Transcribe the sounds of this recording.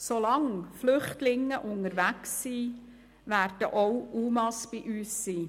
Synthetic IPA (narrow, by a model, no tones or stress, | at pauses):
solɑŋflʏχtlɪŋːəʔʊnəɾʋæksːiː | ʋæːɾd̥əʔoʊʔuːmɑsb̥iʔyːsːiː